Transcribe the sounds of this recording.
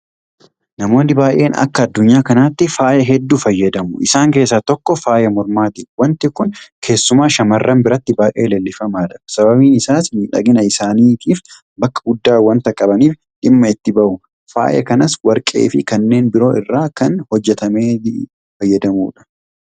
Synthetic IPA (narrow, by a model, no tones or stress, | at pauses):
nɐmo̞ːnɪbaːʔe̞̰ːnɐ̰kːɐɐd̪ːʊɲːaːkɐnat̪ːɪfaːjɐɦɛd̪ːuːfɐjːɐd̪ɐmʊʔɪsaːŋke̞ːsːat̪ɔkːɔfaːjɐmɔɾmaːt̪ɪwɐnt̪ɪkʊnkʰe̞ːsːʊmaːʃɐmɐrːɐmbɪɾɐt̪ːɪbaːʔʼe̞̰ːleːlːɪfɐmaːᶑɐsɐbɐbiːnɪsaːsniːᶑɐ̰ɡɪnɐɪsaːniːt̪ʰiːf | bɐkːɐ̥ɡʊd̪ːaːwɐnt̪ɐkʼɐbɐniːf | ᶑɪmːɐɪt̪ːɪbɐʔʊ | fa̰ːjʔɐ̰kɐnɐswɐɾkʼe̞̰ːfɪkɐnːe̞ːnbɪɾo̞ːɪrːaːkɐnhɔd͡ʒːɛt̪ɐme̞ː | fɐjːɐd̪ɐmṵːᶑɐ̥